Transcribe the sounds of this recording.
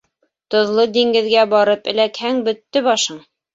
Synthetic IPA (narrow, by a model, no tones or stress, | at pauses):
t̪ŏðlˠɤd̪iŋɡɘ̆ðɡæbɒɾɤpɘ̆lækhæŋbɵ̆t̪ːɘbɒʃɤɴ